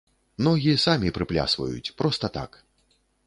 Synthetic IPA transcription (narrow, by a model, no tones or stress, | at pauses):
nɔɣʲisamʲipɾɨplʲa̰svɐ̰jṵt͡sʲpɾɔst̪ɐt̪a̰k